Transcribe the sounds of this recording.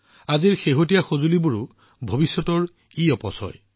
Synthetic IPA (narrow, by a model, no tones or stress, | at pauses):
aziɹxeɦot̬ijaxozulibuɹʊ | bʱobisːɔtɔɹ | iɔpɔsɔ̰j